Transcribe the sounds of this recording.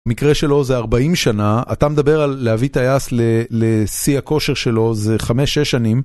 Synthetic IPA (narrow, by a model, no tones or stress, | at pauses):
mikʁeʃe̞lo̞zeaʁbaimʃanaa̰t̪amed̪abe̞ʁalːeavit̪ajaslelesiako̞ʃe̞ʁʃe̞lo̞zeχame̞ʃeʃːanim